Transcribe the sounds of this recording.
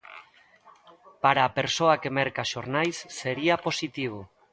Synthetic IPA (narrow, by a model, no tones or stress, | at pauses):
paɾaːpeɾsoakemɛɾkaʃoɾnajsːeɾiaposit̪iβ̞o